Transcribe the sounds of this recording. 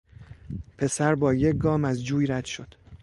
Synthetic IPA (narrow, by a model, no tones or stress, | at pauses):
pʰe̞sæɾbɒːje̞c̚ɡɒːmæzd͡ʒuːjɾæd̪̥ʃo̞d̪̥